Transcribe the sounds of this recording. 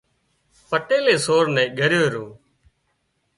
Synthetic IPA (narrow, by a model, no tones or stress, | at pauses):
pəʈeːleːsoːɾnɛ̃ːɡʱəɾjoːɾoː